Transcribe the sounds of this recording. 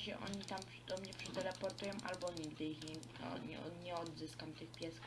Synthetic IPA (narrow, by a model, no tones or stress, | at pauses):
ɕɛ̰ʔɔ̰ɲit̪ampd̪ɔmɲɛpʂɛt̪ɛɾɛpɔɾt̪ujɔ̃w̃ʔa̰lbɔɲiɡd̪ɘixɲɛ̰ | ɲɛ̰ɲɛɔd̪zɘskamt̪ɘxpʲjɛsk